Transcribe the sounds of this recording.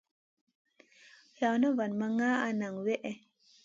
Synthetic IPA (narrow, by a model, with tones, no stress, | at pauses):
ja˨wno˦va˨nma˦ŋa˦a˨na˨ŋwe˦ʔe˨